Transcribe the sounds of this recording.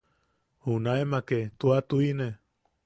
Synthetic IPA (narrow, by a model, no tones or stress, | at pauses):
hunaemaket̪uat̪uine